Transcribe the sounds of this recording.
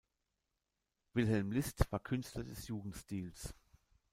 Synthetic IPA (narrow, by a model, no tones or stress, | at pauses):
v̥ɪlɦɛlmlɪstv̥aːɐkʰʏnstlɐdɛsjuːɡŋ̩tstiːls